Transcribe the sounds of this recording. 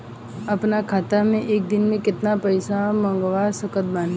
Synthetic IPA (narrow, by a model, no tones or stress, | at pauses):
ɐpnakʰaːt̪amẽʔeːk̚d̪ɪnmẽkɪt̪napɐɪsamɐ̃ŋɡʋaːɾsəkət̪̚bãːn